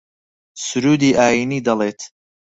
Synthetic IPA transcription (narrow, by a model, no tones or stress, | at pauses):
sʊɾuːd̪iːʔaːjiniːd̪ɐlˠeːt̪ʰ